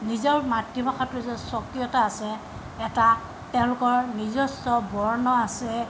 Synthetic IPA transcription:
nizɔɹmatːibaxatʊzɔsɔkɹijɔtaːsɛː | ta | tɛʊ̃lʊkɔɹnizɔstɔbɔɹnɔasɛ

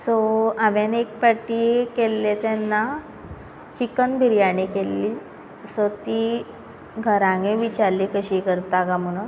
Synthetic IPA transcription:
sɔaʋenek̚paʈːikelːet̪ɛnːa | t͡ɕikənbʱiɾjaɽekelːi | sɔt̪i | ɡʱəɾãŋɡẽʋit͡ɕaɾlikəɕikəɾt̪aɡamunə

